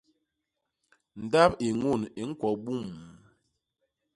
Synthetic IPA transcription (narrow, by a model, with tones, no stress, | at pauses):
n̩˨da˦pe˨ŋu˦˨ne˨ŋ̩˦kwɔ˨ɓu˦˨m